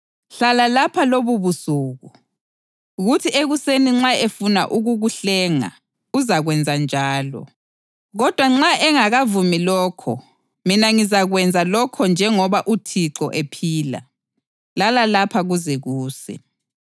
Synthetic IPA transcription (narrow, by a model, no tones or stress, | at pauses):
ɬalalapʰaloβuβusuːɣu | ɣutʰiʔeɣuseniŋ͡ǁaefuna̰ʔuɣuɣuɬɛːŋa̰ | uzaɣwɛnd͡zʱand͡ʒʱaːlɔ̰ | ɣɔd̥ʱwaŋ͡ǁaʔɛŋaɣavumilɔːkʰɔ̰ | minaŋizaɣwɛnd͡zʱalɔkʰɔnd͡ʒʱɛŋɔβaʔutʰiǁɔʔepʰiːla̰ | lalalapʰaɣuzɛɣuːsɛ̰